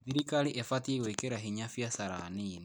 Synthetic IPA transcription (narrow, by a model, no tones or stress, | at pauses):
ðiɾikaliʔefatieɣwekeɾaɦiɲafjasaɾa̰nini